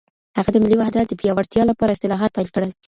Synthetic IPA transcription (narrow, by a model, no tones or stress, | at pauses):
haɣad̪əmɪlːiwahd̪at̪̚d̪əpijɑwaɾt̪jɑlapɑɾaɪst̪ɪlɑɦat̪̚pajlkəɽəj